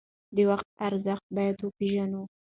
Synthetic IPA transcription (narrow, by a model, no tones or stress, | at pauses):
d̪əwaxt̪̚aɾzaxt̪̚bɑjad̪wopeʒanu